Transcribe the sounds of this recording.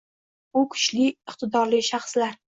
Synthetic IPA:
ʊkʰʊ̥t͡ʃlɪɪqt̪ʰɪd̪ɒɾlɪʃaχslaɾ

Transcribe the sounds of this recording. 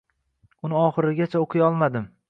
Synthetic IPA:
ʊnɪɒχɨɾɪɡʲat͡ʃʰaoqʰɨjɒlˠmad̪ɪm

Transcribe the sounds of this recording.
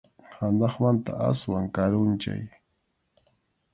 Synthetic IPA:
hand̪ɑχmant̪a̰ʔa̰swaŋkaɾʊnt͡ʃa̰j

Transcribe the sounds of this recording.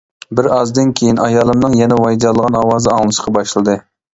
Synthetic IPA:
bɪɾɑzd̪ɨnkʲʰejinɑjɑːlˠɨmnɨŋjɛnɛwɑjd̪ɑlˠːəʁɑnɑwɑːzɨɑŋlˠɨʃə̥qʰɑbɑʃlˠɨd̪ɨ

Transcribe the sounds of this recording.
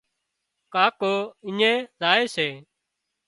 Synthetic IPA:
kaːkoːɪɲẽːzaːeːseː

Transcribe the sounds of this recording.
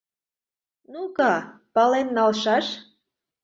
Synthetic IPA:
nukɑ | pɑlenːɑlʃɑʃ

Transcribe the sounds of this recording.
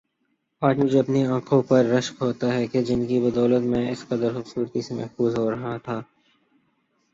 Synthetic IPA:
aːd͡ʒmʊd͡ʒʱeɐpniãːkʰõpɐɾːɐʃkɦoːt̪aɦɛked͡ʒɪnkibɐd̪ɔːlət̪mẽɪsqɐd̪əɾxʊbsuːɾt̪isemɛ̰ɦfuːzɦoːɾɐɦat̪ʰaː

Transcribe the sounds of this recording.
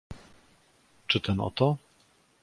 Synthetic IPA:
t͡ʂɘt̪ɛnɔ̰t̪ɔ

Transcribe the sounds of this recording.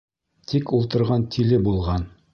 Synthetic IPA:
t̪ʰikulˠt̪ɤ̆ɾʁɑnt̪ʰilɘbulˠʁɑn

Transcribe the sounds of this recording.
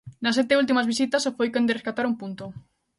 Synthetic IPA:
nɐsɛt̪eult̪̬imɐzβis̬it̪ɐsofojkend̪ɪreskat̪aɾumpunt̪o

